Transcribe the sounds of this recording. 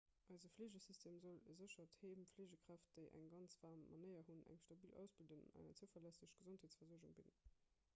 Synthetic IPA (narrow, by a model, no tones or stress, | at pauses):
ʔɑɪzəfleːʑəsistʰeːmzoləzəɕɐtheːmfleːʑəkʁ̥æft̚d̥əɪʔæ̰ŋɡɑnt͡sv̥aːʁmːɑ̰nəɪɐɦunæ̰ŋʃtɑbiːlʔæ̰ʊsb̥ildənɑ̰næ̰ŋɐ̰t͡səfɐlæsəɕɡ̥əzontheːtsfɐzuəʒuŋbin